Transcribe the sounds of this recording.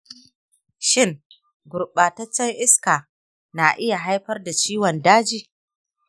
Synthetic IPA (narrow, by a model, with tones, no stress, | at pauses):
ʃɪ˦˨ŋ | ɡʊ˨ɾɓaː˨tɐ˦t͡ʃːɐ˦jʔɪ˦skaː˨ | na˨ʔɪ˦ja˨ɦa˦jɸɐ˦rda˨t͡ʃiː˦wɔ˨ndaː˦d͡ʒiː˦